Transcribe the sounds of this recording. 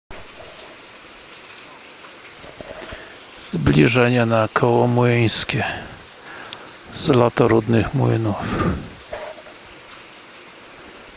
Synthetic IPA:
z̥blʲiʐɛɲɛnakʰɔwɔmwɘj̃skʲɛ | zlat̪ɔɾud̪nɘxmwɘ̰nuf

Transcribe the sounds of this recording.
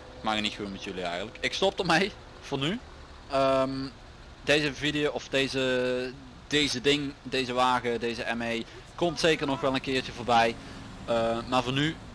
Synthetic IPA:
ɪkmaːxətnitxunmɛtjɵliɛ̰jɣəntləkɪkstɔp̚tɔtmɛj | v̥ɔny | əm | dejzəvidijowɔfdejzə | d̥ejzədɪŋdejzəʋaːɣədejzəɛmej | kɔmtsejkərnɔxʋɛlˠənkɪːɹt͡ʃəvoːɹbɛj | əmaːrvɔny

